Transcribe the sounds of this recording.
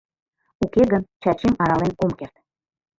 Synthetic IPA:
ukeɣənt͡ɕɑt͡ɕemɑɾɑlenomkert̪

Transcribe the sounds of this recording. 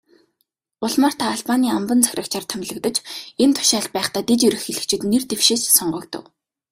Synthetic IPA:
ʊɮmaːr̥t̪ʰaːɮpaniːampə̆nt͡sʰæxʲrə̆kt͡ɕʰart̪ʰæmʲɮə̆kt̪ə̆t͡ɕent̪ʰʊ̥ʃaːɬt̪̚pæːχt̪aːt̪et͡ɕiɾɘ̆xxeɮɘ̆kt͡ɕʰɪ̆t̪nert̪ewʃeːssɔɴɢɞːkt̪ɞ̰̆w

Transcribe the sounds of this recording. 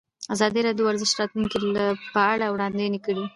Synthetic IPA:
azɑd̪iɾɑd̪jowaɾzɪʃɾɑt̪lunkilapəaɽawɽɑnd̪enikəɽi

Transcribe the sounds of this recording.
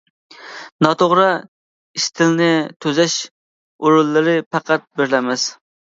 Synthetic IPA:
nɑt̪ʰoʁɾɑ | iʃt̪ʰɪlnɪt̪ʰøzɛʃ | uɾulˠːɨɾɪpʰæqʰæt̪̚beɾlɛmɪz̥

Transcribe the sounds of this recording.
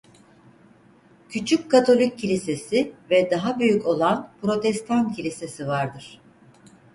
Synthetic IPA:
cʰyt͡ʃʰyckʰat̪ʰo̞lʲic̚ʰːilʲise̞sivɛd̪aɦabyjyco̞lˠanpɾo̞t̪ʰɛst̪ʰancʰilʲise̞sivaɾd̪ɯɾ̥

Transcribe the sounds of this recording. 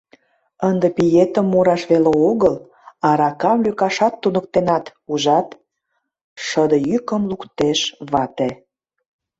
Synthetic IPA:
ənd̪epijet̪ə̆mːuɾɑʃβeleoɣəl | ɑɾɑkɑmlykɑʃɑt̪ːunək̚t̪enɑt̪uʒɑt̪ | ʃəd̪əjykə̆mlukt̪eʃβɑt̪e

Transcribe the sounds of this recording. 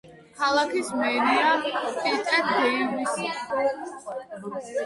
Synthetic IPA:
kʰalˠakʰismɛɾiatʰit̪ʼɛt̪ʰɛiɡis

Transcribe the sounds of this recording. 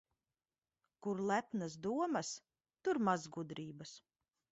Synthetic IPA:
kuɾlˠæpnasd̪uɔmɐs | t̪uɾmazɡud̪ɾiːbɐs

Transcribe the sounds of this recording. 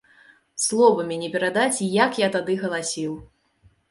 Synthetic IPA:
slˠɔvɐmʲɛnʲɛpʲɛɾad̪at͡sʲijakjat̪ad̪ɨɣɐlˠasʲiw

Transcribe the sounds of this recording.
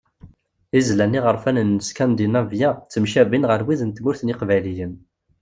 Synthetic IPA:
izlænːiʁəɾˤfænənːəskænd̪inævjæt͡sːəmʃævinʁəɾwiðənt̪mʊɾθnɪqvæjlijən

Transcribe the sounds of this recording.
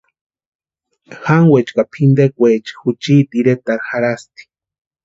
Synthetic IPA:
xaŋwet͡ʃkapʰind̪ekʷet͡ʃi̥xut͡ʃiːt̪iɾet̪aɾxaɾast̪i̥

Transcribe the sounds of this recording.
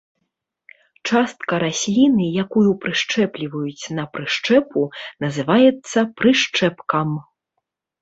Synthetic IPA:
t͡ʂast̪̚kɐɾasʲlʲinɨjakujupɾɨʂt͡ʂɛplʲivɐjut͡sʲnɐpɾɨʂt͡ʂɛpunɐzɨvajɛt̪sːɐpɾɨʂt͡ʂɛpkɐm

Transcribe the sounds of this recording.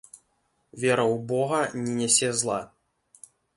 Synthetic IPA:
vʲɛɾɐwbɔɣɐnʲɛnʲɛsʲɛzlˠa

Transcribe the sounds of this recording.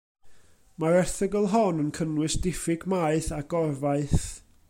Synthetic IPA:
maɾɛrθɪɡəlˠɦɔnənkʰənwɨsd̥ɪfɪɡmaɨθaɡɔrvaɨθ

